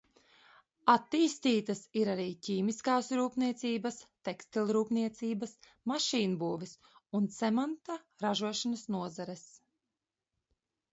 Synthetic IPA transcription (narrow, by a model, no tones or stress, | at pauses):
at̪ːiːst̪iːt̪ɐsiɾaɾiːciːmiskaːsɾuːpniɛt̪siːbɐst̪ɛkst̪ilʲɾuːpniɛt̪siːbɐs | maʃiːnbuːvis | unt̪sɛmant̪a | ɾaʒuɔʃanasnuɔzaɾɛs